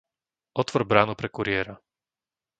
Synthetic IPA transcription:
ʔɔt̪ʋɔɾbɾaːnupɾɛkuɾɪɛːɾa

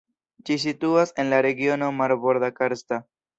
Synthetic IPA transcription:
d͡ʒis̬it̪uasenlaɾeɡjonomaɾboɾðakaɾst̪a

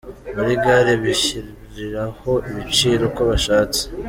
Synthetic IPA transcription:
βuɾiɡaːɾeβiçiɾ | ɾiɾaho̞iβit͡ʃiːɾo̞koβaʃaːt͡se̥

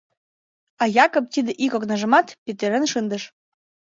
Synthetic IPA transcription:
ɑjɑkop̚t̪id̪ĕʔikoknɑʒə̆mɑt̪pet̪eɾenʃənd̪əʃ

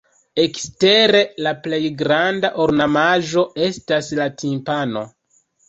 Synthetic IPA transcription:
e̞kste̞ɾe̞laple̞jɡɾandaʔoɾnamaʒo̞e̞staslatʰimpano̞̰

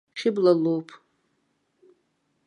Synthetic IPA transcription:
χʲɪblalowpʼ

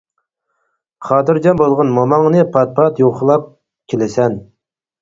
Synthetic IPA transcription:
χɑːt̪ɨɾd͡ʒɑnbolˠʁənmɑmɑŋnɨpʰɑt̪̚pʰɑt̪joqʰəlˠɑp̚ | kʲʰelɪsɛn

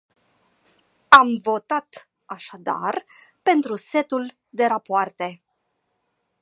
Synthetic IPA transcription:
amvo̞t̪at̪ | aʃad̪a̰r | pe̞nt̪ɾuse̞t̪ul | d̪e̞ɾapoart̪e̞

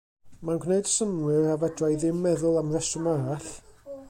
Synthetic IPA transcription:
manɡwneɨdsəmwɪravadrajðɪmːɛðʊlˠamrɛsəmaaɬ

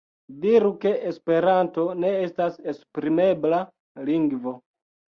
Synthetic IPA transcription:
diɾuke̞ʔespe̞ɾanto̞ne̞e̞stase̞spɾime̞bla | liŋɡvo̞

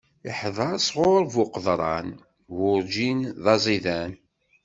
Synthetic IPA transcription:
iħðˤɑɾsʁoɾvʊqəðˤɾˤɑ̰n | wʊɾd͡ʒinðˤɑzˤiðæn

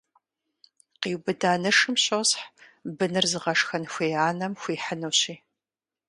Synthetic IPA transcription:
qiːwbɨdaːnɨʂɨmɕowsħbɨnɨrzɨʁɐʂxɐnxʷeːaːnɐmxʷiːħənɨwɕiː

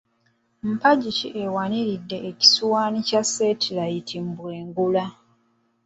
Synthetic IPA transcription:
m̩paɟicḭʔewaniɾidːe̞ʔːci̥suwaːnicasːe̞ːtʰilajitʰimbweːŋɡula

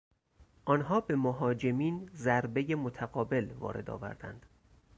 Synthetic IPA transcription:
ʔɒːnɦɒːbe̞moɦɒːd͡ʒe̞miːnzæɾbe̞jemot̪ʰæɣɒːbe̞lvɒ̰ːɾe̞̰d̪ɒ̰ːvæ̰ɾd̪̥æ̰nd̪̥

